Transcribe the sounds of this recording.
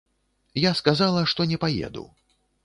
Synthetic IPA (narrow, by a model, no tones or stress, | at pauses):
jaskazalˠɐʂt̪ɔnʲɛpajɛ̰d̪ṵ